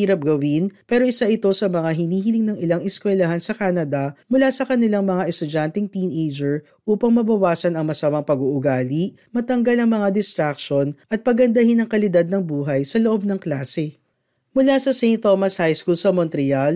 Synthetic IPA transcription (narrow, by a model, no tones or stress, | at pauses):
iːɾɐp̚ɡɐwɪnpɛːɾo̞ʔɪsaʔɪt̪o̞sɐmɐŋaɦɪniːɦɪnɪŋnɐŋɪlaŋʔɛskwɛlɐɦansɐkaːnɐd̪ɐmʊlasɐkɐnɪlaŋmɐŋaʔɛst̪ʊd͡ʒant̪ɪŋt̪inʔejd͡ʒɛɹ | ʔuːpɐŋmɐbɐwaːsɐnɐŋmɐsamɐŋpɐɡuʔʊɡaːliʔ | mɐt̪ɐŋɡɐlɐŋmɐŋad̪ɪst̪ɾak̚ʃo̞nʔɐt̪̚pɐɡɐnd̪ɐhɪnɐŋkɐlɪd̪ad̪̚nɐŋbuːɦɐjsɐloʔo̞b̚nɐŋklaːsɛ | mʊlasɐsɛjnt̪ːomɐshajskulsɐmɔnt̪ɾɪjal